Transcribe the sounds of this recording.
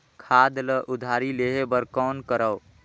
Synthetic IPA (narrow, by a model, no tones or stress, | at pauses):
kʰad̪ləʔud̪ʱaɾileɦebəɾkɔnkəɾəw